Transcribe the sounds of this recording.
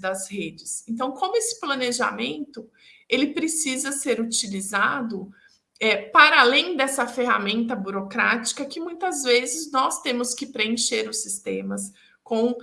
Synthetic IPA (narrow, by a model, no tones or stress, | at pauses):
d̪ɐzhed͡ʒɪsẽnt̪ɐ̃w̃kõmʊesɪ̥plɐneʒa̰mẽnt̪ʊ | elɪpɾesizɐseɾut͡ʃilizad̪ʊ | ɛpaɾalẽj̃d̪ɛsɐfeɦa̰mẽnt̪ɐbuɾokɾat͡ʃi̥kɐkɪmũj̃t̪ɐzvezɪznɔst̪ẽmʊskɪpɾeẽʃeɾʊsist̪ẽmɐs | kõw̃